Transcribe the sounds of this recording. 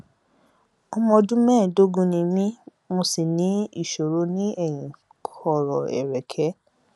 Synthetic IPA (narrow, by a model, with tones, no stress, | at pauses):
ɔ˧mɔ̃˧dũ˦mɛ̃ː˦˨do˦ɡũ˦nĩ˧mĩ˦ | mo˧si˨nĩ˨˦i˦˨ʃo˨ɾo˧˦nĩ˦ɛ˦˨jĩ˨ | kʰɔ˦˨ɾɔ˨ɛ̰˨ɾɛ˨kʰɛ˨˦